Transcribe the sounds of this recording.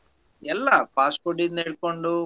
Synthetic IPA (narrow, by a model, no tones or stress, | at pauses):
ɛlːɐpaːskoɖid̪eːɭkoɳɖu